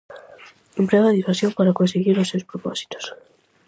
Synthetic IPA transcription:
empɾeaɣaðifasjompaɾakonseɣiɾosːewspɾoposi̥t̪o̥s

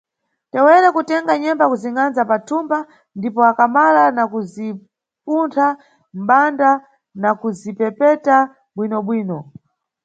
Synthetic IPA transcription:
tɛwɛɾɛkutɛŋɡaɲɛmbakuziŋanzapatʰumba | ndipɔakamalanakuzi | puntʰa | m̩ɓanda | nakuzipɛpɛta | ɓwinɔɓwiːnɔ

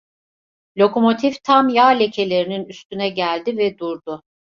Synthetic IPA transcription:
lʲo̞ko̞mo̞t̪ʰift̪ʰamjaːlʲecʰe̞lʲe̞ɾininyst̪ynɛɟælʲd̪ivɛd̪uɾd̪ʊ

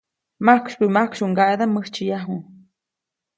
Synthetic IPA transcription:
makʃpɨmakʃuŋɡaʔed̪aməht͡ʃijaɦu

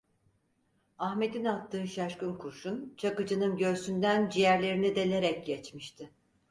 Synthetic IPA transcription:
ahme̞d̪inat̪ʰːɯːʃaʃkɯnkʰuɾʃunt͡ʃʰakɯd͡ʒɯnɯnɟø̞ɾsynd̪ænd͡ʒijæɾlʲe̞ɾinid̪e̞lʲe̞ɾɛc̚ɟɛt͡ʃmiʃt̪ʰɪ

